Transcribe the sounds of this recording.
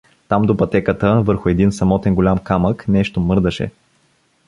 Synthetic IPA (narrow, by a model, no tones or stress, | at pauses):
t̪amd̪opɐt̪ɛkət̪əvɤɾxʊɛd̪insɐmɔt̪ɛnɡolʲamkaməknɛʃt̪omɤɾd̪əʃɛ̰